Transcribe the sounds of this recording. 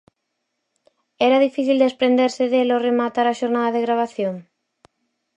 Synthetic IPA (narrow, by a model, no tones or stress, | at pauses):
ɛɾaðifiθild̪espɾend̪eɾseðeloremat̪aɾaʃoɾnaðaðeɣɾaβ̞aθjoŋ